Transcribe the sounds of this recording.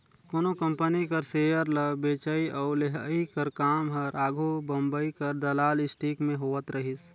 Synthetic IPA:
koːnokɐ̃mpənikɐɾseːjəɾləbeːt͡ʃəiʔɔːɾleɦəikɐɾkaːmɦɐɾʔaːɡʱobɐ̃mbəikɐɾd̪ɐlaːlɪsʈiːkmẽɦoːʋət̪ɾɐɦis

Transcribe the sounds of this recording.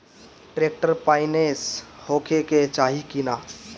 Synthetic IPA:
ʈɾek̚ʈəɾpaɪneshokʰeket͡ʃaɦikina

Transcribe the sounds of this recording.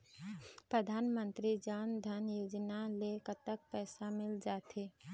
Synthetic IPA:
pɾəd̪ʱaːnmə̃nt̪ɾid͡ʒaːnd̪ʱənjoːd͡ʒnalekət̪ək̚pɛːsamɪld͡ʒaːt̪e

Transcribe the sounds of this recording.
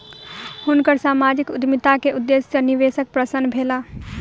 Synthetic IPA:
hʊnkəɾsaːmaːd͡ʒɪkʊd̪mɪt̪akeʔʊd̪ːesjəniʋeːsək̚pɾəsənbʱeːla

